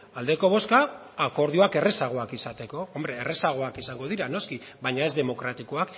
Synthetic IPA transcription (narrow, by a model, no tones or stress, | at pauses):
ald̪e̞ko̞β̞o̞skaː | ko̞ɾð̞ioake̞re̞saɣ̞o̞akisat̪e̞ko̞o̞mbɾe̞ːre̞saɣ̞o̞akisaŋɡo̞ðiɾano̞ski | βajɲaezd̪e̞mo̞kɾat̪iko̞ak